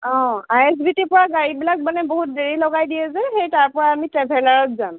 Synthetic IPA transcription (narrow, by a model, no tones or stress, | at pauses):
ɔ̃ajɛs̬bitepɔɹaɡaɹibilak̚manɛbɔɦut̚deɹilɔɡajdijɛzɛxejtaɹpɔɹaːmitɹɛbʱɛlaɹɔt̚zam